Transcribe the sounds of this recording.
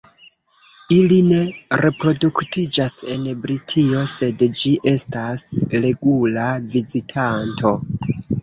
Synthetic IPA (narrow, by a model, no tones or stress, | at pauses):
iline̞ɾe̞pɾo̞duktid͡ʒase̞nbɾitʰio̞se̞dd͡ʒiʔe̞stasɾe̞ɡulavizitʰantʰo̞